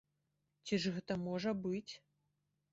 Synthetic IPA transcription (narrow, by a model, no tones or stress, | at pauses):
t͡sʲiʐɣɛt̪ɐmɔʐɐbɨt͡sʲ